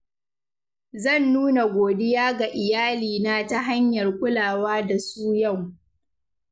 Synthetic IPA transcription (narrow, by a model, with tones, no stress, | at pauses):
zɐ˦˨nːuː˦na˨ɡʷoː˨dɪ˦jaː˦ɡa˨ʔɪ˨jaː˦liː˨naː˦ta˦ɦa˦ɲjɐ˨rkʷʊ˦laː˨waː˦da˨suː˦ja˦˨w